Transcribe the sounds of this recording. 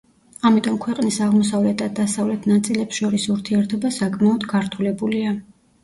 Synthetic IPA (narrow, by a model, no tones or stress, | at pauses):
amit̪ʼɔmkʰwɛqʼnisaʁmɔsavlɛt̪̚ʰd̪ad̪asavlɛt̪ʰnat̪sʼilɛpsʃɔɾisuɾt̪ʰiɛɾt̪ʰɔbasakʼmaɔd̪ɡaɾt̪ʰulɛbulia